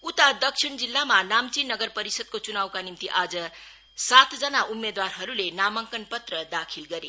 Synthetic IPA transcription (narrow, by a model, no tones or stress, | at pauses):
ut̪ad̪ʌksʰiɳd͡zilːamanamt͡sinʌɡʌrpʌɾisʌd̪̚kot͡sunawkanimt̪iʔad͡zʌ | sat̪ʰd͡zʌnaʔumːed̪warɦʌɾulenamʌŋkʌnpʌt̪rʌd̪akʰilɡʌɾe